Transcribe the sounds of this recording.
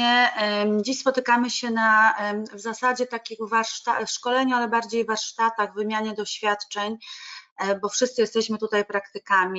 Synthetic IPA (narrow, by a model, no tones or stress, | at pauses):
ɛd͡ʑiɕspɔt̪ɘkamɘɕɛnavzasad͡ʑɛt̪akʲiɣvaɾʂt̪afʂkɔlɛɲualɛbaɾd͡ʑejvaɾʂt̪at̪aɣvɘmʲjaɲɛd̪ɔɕfʲjat̪t͡ʂɛɲ | bɔfʂɘst̪sɘjɛst̪ɛɕmɘt̪ut̪ajpɾakt̪ɘkamʲi